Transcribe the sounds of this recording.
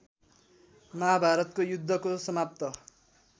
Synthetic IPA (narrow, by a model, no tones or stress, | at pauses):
mabʱaɾʌt̪kojud̪ʱːʌkosʌmap̚t̪ʌ